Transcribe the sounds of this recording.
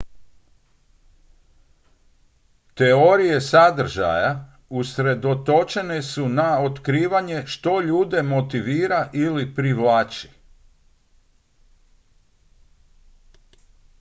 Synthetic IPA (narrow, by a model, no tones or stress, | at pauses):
t̪e̞oɾije̞sad̪r̩ʒa̰ja | usɾe̞d̪o̞t̪o̞t͡ʃe̞ne̞sunaot̪kɾiːʋaɲe̞ʃt̪o̞ʎuːd̪e̞mo̞t̪iʋiːɾaʔilipɾiʋlaːt͡ʃi̥